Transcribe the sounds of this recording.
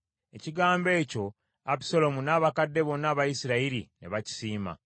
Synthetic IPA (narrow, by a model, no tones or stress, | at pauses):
e̞ciɡaːmbe̞ːco̞ | api̥so̞lo̞munaːβakadːe̞βo̞nːaːβajisiɾaiɾḭnḛβaci̥siːma̰